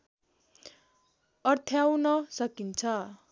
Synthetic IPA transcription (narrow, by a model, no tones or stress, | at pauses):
ʌrt̪ʰjawnʌsʌkint͡sʰʌ